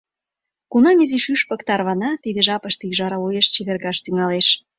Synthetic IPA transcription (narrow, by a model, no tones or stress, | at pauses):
kunɑmiziʃyʃpɤ̆kt̪ɑrβɑnɑt̪id̪eʒɑpə̆ʃt̪iʒɑɾɑojeʃt͡ɕeβerɣɑʃt̪yŋɑleʃ